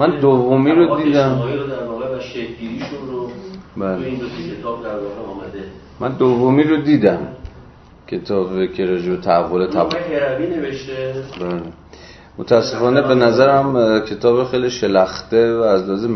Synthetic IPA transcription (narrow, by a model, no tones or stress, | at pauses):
mænd̪ovːomiːɾod̪iːd̪æmːiɾod̪æɾvɒːɣevæʃekɡiːɾiʃunɾobæːleindot̪ekʰet̪ʰɒːb̚d̪æɾvɒɣeɒːmæd̪e | mænd̪ovːomiːɾod̪iːd̪æm | cʲʰe̞t̪ʰɒːbekʰeɾɒːd͡ʒebet̪ʰæævːolet̪ʰæbʰeɾævineveʃt̪ebæːle | mot̪ʰææsːe̞fɒːnebe̞næzæɾæmcʰe̞t̪ʰɒːbexejliʃe̞læxt̪evæːzlɒzem